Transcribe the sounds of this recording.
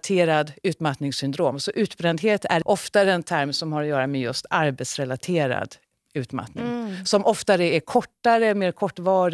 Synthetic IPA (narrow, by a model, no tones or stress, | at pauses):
t̪ʰeːɾad̪ʉ̟ːt̪mat̪nɪŋsʏnd̪ɾoːmsɔʔʉ̟ːt̪bɾɛnd̪ɦeːt̪æʔɔft̪ad̪ɛnt̪ʰæɾmsɔmhaɾɔjœːɾamɛjɵst̪aɾbɛt̪sɾɛlat̪ʰeːɾa̰d̪ | ʉ̟ːt̪ma̰t̪nɪ̰ŋsɔmʔɔft̪aɾəæɾkʰɔʈːaɾəmeːɾkʰɔʈːvɑːɾ